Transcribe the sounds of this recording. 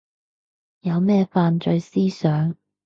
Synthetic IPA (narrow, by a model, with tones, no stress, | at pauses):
jɐ˨˧wmɛː˥˧faː˧nt͡ʃɵ˧ɥsiː˥sœː˨˥ŋ